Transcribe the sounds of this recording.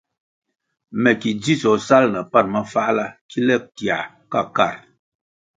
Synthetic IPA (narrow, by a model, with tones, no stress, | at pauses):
mɛ˨ki˨d͡zi˦sɔ˨sa˦lna˨pa˦˨n̚ma˦fa˦la˦ki˦lɛ˦k̚ti˨a̰˨ | ka̰˦˨ka̰˦˨ɾ